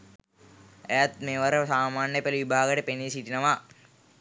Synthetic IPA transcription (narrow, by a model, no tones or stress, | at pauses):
ejat̪meːʋaɾəsaːmaːnjəpeliʋibʱaːɡəʈəpenisiʈinəʋa